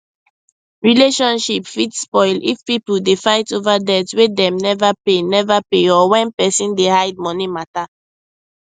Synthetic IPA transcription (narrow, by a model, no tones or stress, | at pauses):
ɹileʃɔ̃nʃipfitspɔɪlifpipl̩defaɪtovadɛtwedɛ̃mnɛvapenɛvapeɔwɛ̃npɛsĩndehaɪd̚mɔnimata